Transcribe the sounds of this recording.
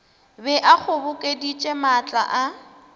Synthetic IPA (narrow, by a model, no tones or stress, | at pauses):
bɛʔak͡xʰʊbʊkʼedit͡ʃʼemat͡ɬʼa̰ʔa